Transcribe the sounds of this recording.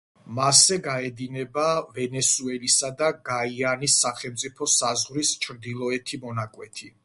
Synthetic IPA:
masɛɡaɛd̪inɛbavɛnɛsuɛlisad̪aɡaianisːaχɛlˠmt̪sʼipʰɔsazʁɾist͡ʃʰɾd̪ilˠɔɛt̪ʰimɔnakʼwɛt̪ʰi

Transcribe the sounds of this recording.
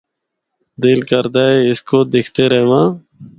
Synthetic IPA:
d̪ɪlkəɾd̪aeɪskod̪ɪkʰt̪eɾəɦmãː

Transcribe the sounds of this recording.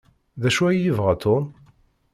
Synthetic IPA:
ðæʃuæjjəvʁat̪ʰːon

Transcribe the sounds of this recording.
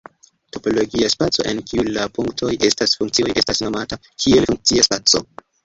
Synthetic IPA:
to̞po̞lo̞ɡiaspat͡so̞̰ʔe̞nkʰiulapuŋktʰo̞jʔe̞stasfuŋkt͡siojʔe̞stasno̞mata | kʰie̞lfuŋk̚t͡siaspat͡so̞̰

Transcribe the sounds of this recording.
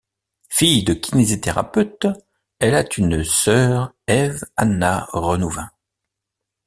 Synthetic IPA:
fijd̪əkʲinezit̪eʁa̰pøt̪ | ɛlat̪ʰynsœːʁ | ɛvanːaʁənuvɛ̃

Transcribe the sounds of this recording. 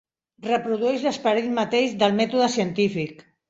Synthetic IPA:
rəpɾuð̞uɛʒləspəɾilmat̪eʒðəlˠmɛt̪uðəsiənt̪ifik

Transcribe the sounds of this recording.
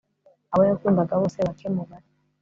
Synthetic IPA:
aβajakumbaɡaβɔsɛβakʰɛmɔɡa

